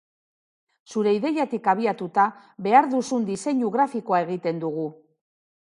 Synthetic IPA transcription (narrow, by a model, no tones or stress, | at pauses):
suɾe̞iðe̞jat̪ikaβ̞iat̪ut̪a | βe̞aɾðusund̪ise̞ɲuɣɾafiko̞ae̞ɣ̞it̪e̞nd̪uɣ̞u